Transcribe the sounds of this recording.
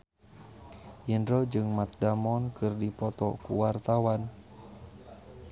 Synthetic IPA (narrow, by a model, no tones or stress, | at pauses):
ʔindɾod͡ʒɨŋmat̪̚damɔnkɨrdipɔt̪ɔ̰kuwart̪awan